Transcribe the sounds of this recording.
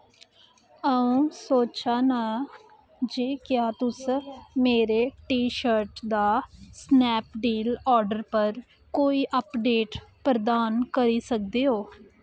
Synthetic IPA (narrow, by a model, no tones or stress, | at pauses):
əũːsoːt͡ʃaːnaː | d͡ʒeːkjaːt̪ʊsmeːɾeːʈiːʃəɾʈd̪aːsnɛːpɖiːlɔːɾɖəɾpəɾ | koːiːʔəpɖeːʈpɾəd̪aːnkəɾiːsək̚d̪eːɦoː